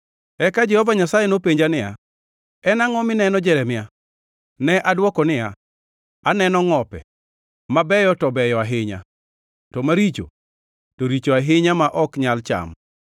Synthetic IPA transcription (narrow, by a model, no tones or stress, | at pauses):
ɛkad͡ʒɛhɔvaɲasajenopeɲd͡ʒanɪja̰ | ɛnaŋɔmɪnɛnɔd͡ʒɛɾɛmɪja | nɛʔadwɔkɔnɪja | anɛnɔŋɔpɛ̰ | mabɛjɔtɔbɛjɔaɦɪɲa̰ | tɔmaɾit͡ʃo̰ | toɾit͡ʃoaɦɪɲamaʔɔkɲalt͡ʃa̰m